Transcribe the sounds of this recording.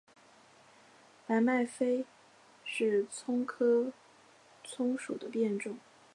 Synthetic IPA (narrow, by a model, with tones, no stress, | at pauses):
la˧˥ɪma˥˩ɪfe˥ɪ | ʂɻ̩˥˩t͡sʰʊ˥ŋkʰɤ˥ | t͡sʰʊ˥ŋʂṵ˨˩d̪ə˦pjɛ˥˧nʈ͡ʂʊ˥˩ŋ